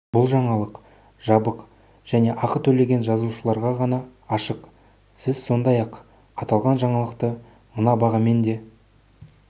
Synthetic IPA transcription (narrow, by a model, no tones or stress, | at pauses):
bʊlˠʒɑɴɑlˠəq | ʒ̥ɑbəq | ʒ̥æne̞ʔɑqət̪ʰɵle̞ɡʲe̞nʒɑzuʃəlˠɑɾʁɑʁɑnɑːʃəq | sɪzso̞nd̪ɑjɑq | ɑt̪ɑlˠʁɑnʒɑɴɑlˠəqt̪ə | mənɑbɑʁɑme̞nd̪e̞